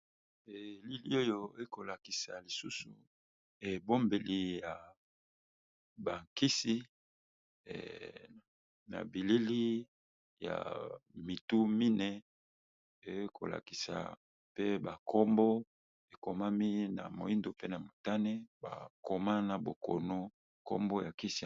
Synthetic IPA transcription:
e˨li˦li˦o˦jo˦e˦ko˨la˨ki˨sa̰˨li˨su˦sṵ˨ | e˨bo˦mbe˨li˨ja˨ | ba˨ŋki˦si˦˨ | na̰˨bi˨li˦li˦ | ja̰˨mi˨tu˦mi˦nɛ˨ | e˨˦kʰo̰˨la̰˨ki̥˨sa̰˨ | pe˦ba˨kʰo˦mbo˦ | e˨ko˨ma˦mi˦na̰˨mo̰˨i˦ndo˨pe˦na˨mo˨ta˦nɛ˦ba̰˨ko˨ma˦na˨bo˨ko̰˨no˦ | ko̰˦mbo˦ja˨ki˦si˦

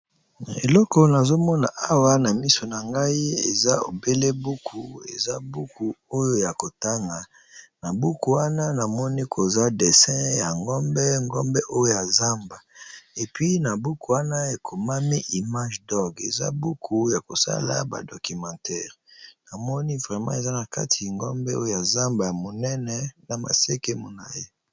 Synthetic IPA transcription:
e˨lɔ˦kɔ˨na˨zo˦mɔ˦na̰˨ʔa˦wa˦na˨mi˦so˨na˨ŋɡa˦i˦e˨za˦o̰˨be˦le˦bu˦kʰu˨ḛ˨za˦bu˦ku˨o˦jo˦ja˨ko˨ta˦ŋɡa˨ | na˨bu˦ku˨wa˦na˦na˨mɔ˦ni˦kʰo˨za˦de˨sɛ̃˦ja˨ŋɡɔ˦mbɛ˦ŋɡɔ˦mbɛ˦ʔo˦jo˦ja˨za˦mba˨e˨pɥi˦na˨bu˦ku˨wa˦na˦e˨kʰo˨ma˦mi˦ʔi˨ma˦ʒdɔ˦ɡe˨za̰˦bu˦kʰu˨ja˨ko˨sa̰˦la̰˦ba̰˨do˨ki˨mɑ̃˨tɛ˦ʁ | na˨mɔ˦ni˦vʁɛ˨mɑ̰̃˦e˨za˦na˨ka̰˦tʰi˨ŋɡɔ̰˦mbɛ˦o˦jo˦ja˨za˦mba˨ja˨mo˨nɛ˦nɛ˨na˨ma̰˨se˦ke˦mu˦˨na˨je˦

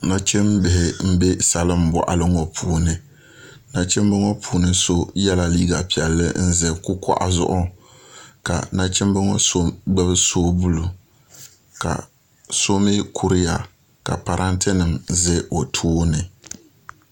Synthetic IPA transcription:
na˦t͡ʃɪ˦mbɪ˨hɪ˨m̩˦be˦sa˨lɨ˦m˨bɔ̰˨ʔa˦lɨ˦ŋɔ˨pʰuː˨˦nɨ˨ | na˦t͡ʃɪ˦mbɛ˦ŋɔ˦pʰuː˨nɨ˦so˦jɛ˦la˦liː˦ɡa˨pi˨ɛ˨lːɨ̰˦n̩˦zɨ˦ku˦kɔ̰˦ʔa̰˨zʊ̰˦˨ʔʊ˦ | ka̰˨na˦t͡ʃɪ˦m˦bɨ˦ŋɔ˦so˦ɡ͡bɛ˦bɨ˦so˦bu˦lu˨ | ka̰˨ | so˦mɪ˦kʰu˨ɾɪ˦ja˨ | ka̰˨pa˨ɾʔa˦ntɪ˦nɨ˨mzɪ˦o˨tʰoː˦nɨ˨

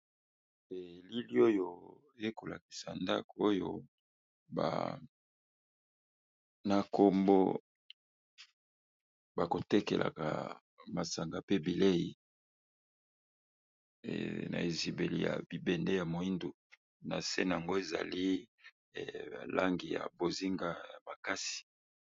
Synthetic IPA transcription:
e˨li˦li˦o˦jo˦ | e˦ko˨la̰˨ki̥˨sa˨nda̰˦ko˦jo̰˦ | ba̰˨ | na˨ko˨mbo˦ | ba˨ko˨tɛ˦kḛ˨lʔa̰˨ka̰˨ | ma˨sa˨ŋɡa˨pe˦bi˨le˦ji˨ | na̰˨e˨zi˨be˨lḭ˨ja̰˨b̥i˨bɛ˨nde˦ja˨mo˨i˦ndu˨ | na̰˨se˦na˨a˨ŋɡo˦e˨za̰˨li˦˨ | la˦ŋɡi˨ja̰˨bo˨zi˦ŋɡa˦ja˨ma˨ka˦si̥˨

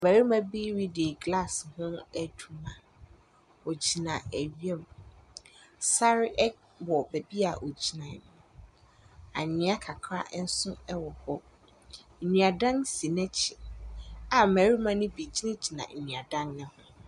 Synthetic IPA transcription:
mæ˨ɾi˦mã˦bi˦ɾi˦de˨ɡla˦˨shʊ̃˦ɛ˦dʰu˦mã˨ | o˨d͡ʑi˨nã˨æ˨ɥi˦ɛ˦m | sa˦ɾɪ˦ʔɛ˦ | wɔ˨bæ˨bi˦a˨ʔo˨d͡ʑi˨nã˨n˨ | a̰˨ɲɪ̃˨˦a˦kʰa˨kʰɾa̰˦ʔn̩˦sʊ̃˦ɛ˦wɔ˨hɔ˦˨ | nũ˨a˨dã˦nsi˨nɛ̃˦t͡ɕʰɪ˨ | a˨mæ˨ɾi˦mã˦nʊ̃˦bi˨d͡ʑi˦nɪ̃˦d͡ʑi˨nã̰˨n̩˨nũ˨a˨dã˦nnɪ̃˦hʊ̃˦

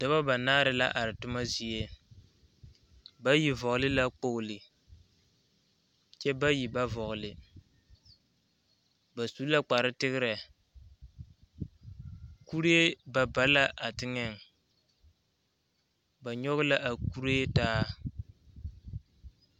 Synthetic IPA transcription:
da˦ba˦ba˨naː˦ɾɪ˨la̰˦ʔa˨ɾɪ˨tʊ˦ma˦zi˨e˦ | ba˦ji˨vɔ˨ɣʊ˨lɪ˦la˦k͡po˦ʊ˨lɪ˨ | t͡ʃɛ˦ba˦ji˨ba˦vɔ˨ɣʊ˨lɪ˨ | ba˨su˦la˦k͡pa˨ɾɪ˦tɪ˦ɣɪ˦ɾɛ˨ | ku˦ɾe˦e˦ba˨ba˨la˦ʔa˨tɪ˦ŋɛ˨ŋ | ba˨ɲɔ˦ɣʊ˦la˦ʔa˨ku˦ɾe˦taː˦

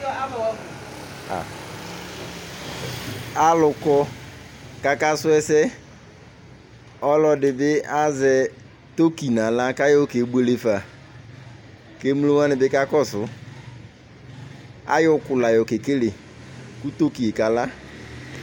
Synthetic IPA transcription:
a˨lʊ˨kɔ˦ | ka˨ka˦sʊ˦ɛ˦sɛ˦ | ɔ˦lɔ˨dɪ˨bɪ˦a˦zɛ˨ | t̪o˦ki˨nã˨la˦ka˦jɔ˦ke˨be˨˦le˨fa˨ | ke˦m˦lo˦wa˦nɪ˨bɪ˦ka˦kɔ˦sʊ˨ | a̰˦jɔ˦kʊ˨la˨jɔ˨ke˨ke˦le˨ | kʊ˦t̪o˦ki˨e˨ka˨la˦

